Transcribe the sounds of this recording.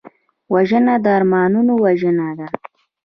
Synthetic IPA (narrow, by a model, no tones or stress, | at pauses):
waʒənad̪əɑɾmɑnunowaʒənad̪a